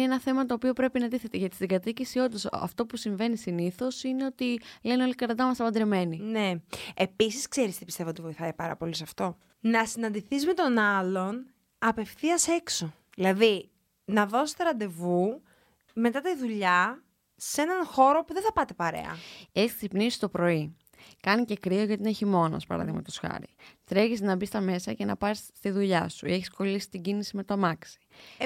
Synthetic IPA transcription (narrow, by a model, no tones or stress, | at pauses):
eenɐθe̞mɐt̪o̞ːpio̞pɾe̞pinɐd̪iθet̪eʝɐt̪i̥siɡɐt̪icisio̞nd̪osɐ̰ft̪o̞pusiɱve̞nisiniθo̞sine̞o̞t̪ileneo̞likɐɾðd̪ɐmɐsɐpɐnd̪ɾeme̞nineepisiskseɾist̪ipist̪e̞vot̪ivo̞iθɐipɐɾɐ̰po̞lisɐft̪o̞ | nɐsinɐnd̪iθizme̞t̪o̞nɐlo̞n | ɐpe̞fθiɐse̞kso̞ | ðilɐði | nɐðo̞se̥t̪eɾɐnd̪e̞vu | me̞t̪ɐt̪iðuʎɐ | se̞nɐnxo̞ɾo̞puðe̞θɐpɐt̪e̞pɐɾe̞̰ɐ̰eçissipnisi̥t̪o̞pɾo̞i | kɐnice̞kɾioʝɐt̪ineçimo̞nɐ̰spɐ̰ɾɐ̰ðiɣmɐmet̪osxɐ̰ɾḭt̪ɾeʝiznɐbist̪ɐme̞sɐce̞nɐpɐst̪iðuʎɐsueçisko̞lisi̥t̪iɟinisime̞t̪omɐksi̥